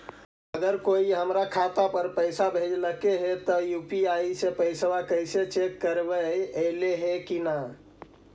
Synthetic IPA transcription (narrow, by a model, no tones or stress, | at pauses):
əɡəɾkoiɦəmɾakʰat̪apəɾpəɪsabʱed͡ʒləkeɦet̪ɔjupiaisepəɪswakəjset͡ʃekːəɾbəəleɦekina